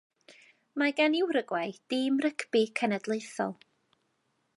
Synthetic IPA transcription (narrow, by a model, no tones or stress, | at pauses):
maɡanɪwɾəɡwajd̥ɪːmrəkʰbikʰənədlˠeɨθɔ̰lˠ